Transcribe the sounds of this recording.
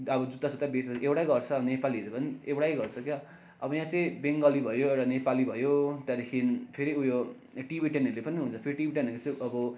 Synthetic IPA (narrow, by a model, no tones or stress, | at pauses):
ʌbʌd͡zut̪asut̪abesewʈajɡʌrt͡sʰʌnepaliʌɾlepʌniewɽajɡʌrt͡sʰʌkja | ʌbʌjãt͡sʌĩbeŋɡʌlibʱʌjoeanepalibʱʌjot̪jad̪ekʰinpʰeɾiujo | ʈibʱiʈenʌɾulepʌniɦũnt͡sʰʌpʰeɾiʈibʱiʈenʌlet͡sʌ̃ʌbʌ